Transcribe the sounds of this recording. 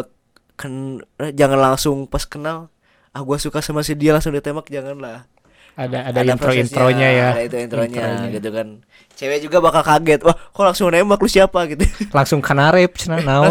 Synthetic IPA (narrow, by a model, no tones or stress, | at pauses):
t̪̚ | kənad͡ʒaŋanlaŋsʊŋpaskənal | ahɡuasukasəmas̬ədialaŋsʊŋdit̪emak̚d͡ʒaŋanlah | adaːdainɾoinɾoɲajaaint̪ɾoint̪ɾoɲaɲɡit̪̬ukan | t͡ʃewɛd͡ʒuɡabakalkaɡɛt̪̚wahkolaŋsʊŋnembaklusiapaɡit̪ulaŋsʊŋkanaɾɛp̚t͡ʃənana